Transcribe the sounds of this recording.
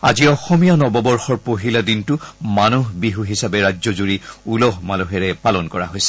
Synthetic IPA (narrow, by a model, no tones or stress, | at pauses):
a̰ziɔxɔmijanɔbɔbɔɹxɔɹpoɦiladintʊmanuɦbiɦuɦisabɛɹad͡ʒzɔzuɹiulɔɦmaluɦɛɹɛpalɔnkɔɹa̰ɦojsɛ̥